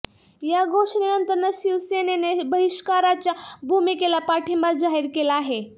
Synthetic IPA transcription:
jaɡʱoʂnenənt̪əɾnəsiʋsenenebəɦiʃkaɾat͡ɕjabʱumikelapaʈʰimbaɾd͡zaɦiɾkelaaːɦe

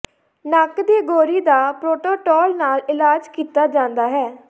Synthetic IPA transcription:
nakd̪iːɡoːɾiːd̪aːpɾoːʈoːʈɔːlnaːlɪlaːd͡ʒkiːt̪aːd͡ʒãːnd̪aːɦɛː

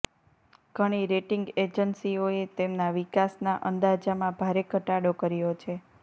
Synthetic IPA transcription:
ɡ̥ʱəɽ̃iɾeʈiŋɡed͡ʒənsioet̪emnaʋikasnaʔənd̪ad͡ʒamãbʱaɾekəʈaɽokəɾijot͡ʃʰe

